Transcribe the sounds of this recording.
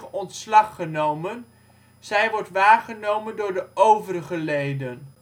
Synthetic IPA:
ɔntslɑχːənowmən | z̥ɛjʋɔrtʋaːχənowməndʊːɹdəʔowvərəχəlejdən

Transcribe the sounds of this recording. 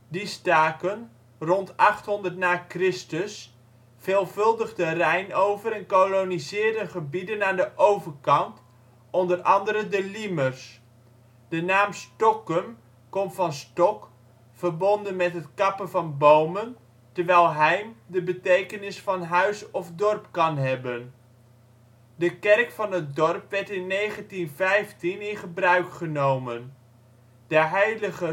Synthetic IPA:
distaːkən | rɔntɑχtɦɔndərtnaːkrɪstəs | feːlˠvɵlˠdəχdərɛjnowvəɾɛnkolonizɪːɹdəχəbidənaːndəʔowvəɹkɑnt | ɔndərɑndəɾədəlimərs | d̥ənaːmstɔkəm | kɔmvɑnstɔk | v̥ərbɔndənmɛtɦətkɑpəvɑnbowmən | təɹʋɛjlˠɦɛjmdəbətejkənɪsfɑnɦœɥsɔfdɔrpkɑnɦɛbən | dəkɛrkfɑnɦət̚dɔrpʋɛɹtɪnːejχəntinvɛjftinɪnχəbrœɥkχənowmən | d̥əɦɛjləχə

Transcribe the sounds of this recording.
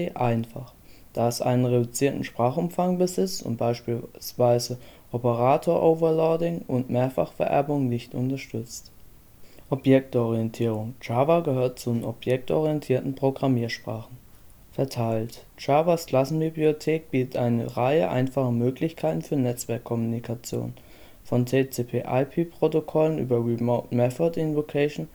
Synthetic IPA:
eʔaɪnfa̰χd̥aːɛsʔa̰ɪnənʁedʊt͡siːɐtn̩ʃpʁ̥aːχʊmfaŋbəzɪt͡stʊ̰ntb̥aɪʃpiːsv̥aɪzəʔɔpəʁ̞aːtʰoːɐʔoʊvɐɐlɔɐdɪŋʔʊntmeːɐfa̰χfɛɐʔɛ̰ɐbʊŋnɪçtʊ̰ntɐʃtʏt͡st | ʔɔpjɛk̚tɔʁiɛntʰiːʁ̞ʊŋt͡ʃaːvaɡəɦøːɐt̚t͡sunɔpjɛk̚tʔɔ̰ʁiɛntʰiːɐtn̩pʁ̥oɡʁamiːɐʃpʁ̥aːχn̩ | fɛɐtʰaɪlt | t͡ʃaːvaskl̥asn̩bibliotʰeːk̚b̥iːtətʔaɪnə̰ʁaɪə̰ʔa̰ɪnfaχəmøːklɪçkʰaɪtn̩fyːɐnɛt͡sv̥ɛɐkʰːɔmunikʰat͡sjo̰ːn | fɔnt͡set͡seːpʰeːʔa̰ɪpʰiːpʁ̥otokʰɔlənʔy̰ːbɐʁimoʊtmɛθɐtɪnvokʰɛɪʃn

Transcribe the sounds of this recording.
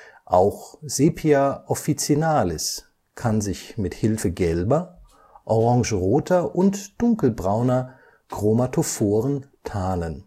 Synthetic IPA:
ʔaʊxz̥eːpʰiaʔɔfit͡sinaːlɪs | kʰanzɪçmɪthɪlfəɡɛlbɐ | ʔɔʁɑ̃ŋʒəʁoːtʰɐʔʊntd̥ʊŋkl̩bʁaʊnɐ | ɡ̥ʁ̥omatʰofoːʁəntʰaːnən

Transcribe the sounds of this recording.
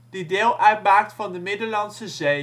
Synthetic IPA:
d̥ideːlˠʔœɥt̚baːk̚tfɑndəmɪdəlɑnsəzej

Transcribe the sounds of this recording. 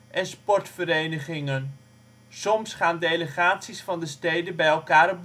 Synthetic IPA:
ʔɛnspɔɹtfəɾejnəχɪŋən | sɔmsχaːndeləχaːtsisfɑndəstejdənbɛjɛlˠkaːɾb

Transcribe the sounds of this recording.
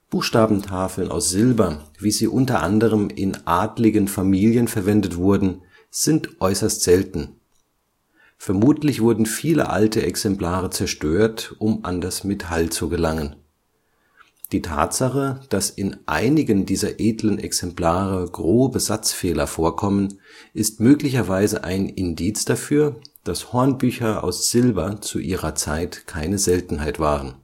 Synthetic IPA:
b̥uːxʃtaːbm̩tʰaːfl̩nʔa̰ʊsz̥ɪlbɐviːziːʔʊntɐʔandəʁ̞əmɪnʔaːdlɪɡənfamiːljənfɛɐvɛndətv̥ʊɐdn̩ | z̥ɪntʔɔʏsɐstz̥ɛltn̩ | fɛɐmuːtʰlɪçv̥ʊɐdn̩fiːlə̰ʔa̰ltəʔɛksɛmpl̥aːʁət͡sɛɐʃtøːɐtʔʊmʔa̰ndasmetʰalt͡suɡəlaŋən | d̥iːtʰa̰ːtz̥aχəd̥asɪnʔa̰ɪnɪɡəndiːzɐʔeːdlənʔɛksɛmpl̥aːʁəɡʁoːbəzat͡sfeːlɐfoːɐkʰɔmən | ʔɪstmøːklɪçɐvaɪzəʔa̰ɪnɪndiːt͡sd̥afyːɐd̥ashɔɐnbyːçɐʔa̰ʊsz̥ɪlbɐt͡sṵʔiːʁɐt͡saɪtkʰaɪnəzɛltn̩haɪtv̥aːʁən

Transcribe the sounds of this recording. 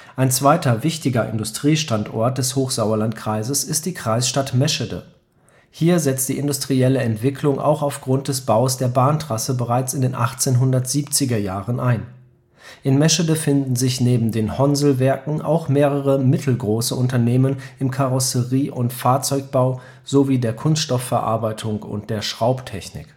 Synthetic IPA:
ʔaɪnt͡sv̥aɪtɐvɪçtɪɡɐʔɪ̰ndʊstʁ̥iːʃtantʔɔ̰ɐt̚d̥ɛshoːxz̥aʊɐlantkʁ̥aɪzəsɪst̚d̥iːkʁ̥aɪsʃtatmɛʃədə̰ | hiːɐzɛt͡st̚d̥iːʔɪndʊstʁ̥iɛləɛntv̥ɪklʊŋʔa̰ʊxaʊfɡ̥ʁʊnt̚d̥ɛsb̥aʊsd̥eːɐbaːntʁ̥asəbəʁaɪt͡sɪndeːnʔaχt͡seːnɦʊndɐtz̥iːpt͡sɪɡɐjaːʁənʔaɪn | ʔɪnmɛʃədəfɪndn̩zɪçneːbm̩deːnhɔnzl̩vɛɐkŋ̩ʔa̰ʊxmeːʁəʁəmɪtʰl̩ɡʁoːsəʔʊntɐneːmənʔɪmkʰaʁɔsəʁiːʔʊntfaːɐt͡sɔʏk̚b̥aʊ | z̥oviːdeːɐkʰʊnstʃtɔfɛɐʔa̰ɐbaɪtʰʊŋʊ̰nt̚d̥eːɐʃʁ̥aʊptʰɛçnɪ̰k

